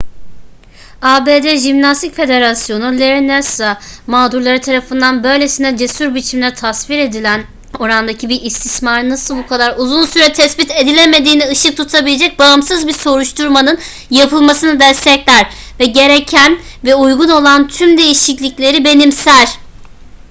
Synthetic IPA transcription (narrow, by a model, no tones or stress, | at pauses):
aːbeːd̪ɛʒimnast̪ʰicfe̞d̪e̞ɾasjo̞nulʲeɾnɛsamaːd̪uɾlˠaɾɯt̪ʰaɾafɯnd̪anbø̞jlʲe̞sinɛd͡ʒe̞suɾbit͡ʃʰimlʲɛt̪ʰasviɾe̞d̪ilʲæn | o̞ɾand̪acʰibiɾist̪ʰismaɾnasɯlˠbukʰad̪aɾuzunsyɾɛt̪ʰɛsbit̪ʰe̞d̪ilʲeme̞d̪iːnɛɯʃɯk̚t̪ʰut̪ʰabilʲed͡ʒɛc̚baɯmsɯzbiso̞ɾuʃt̪ʰuɾmanɯn | japʰɯlˠmasɯnɯd̪ɛst̪ʰɛclʲæɾ | vɛɟe̞ɾecʰænvɛujɡuno̞lˠant̪ʰymd̪e̞jiʃiclʲiclʲe̞ɾibe̞nimsæɾ̥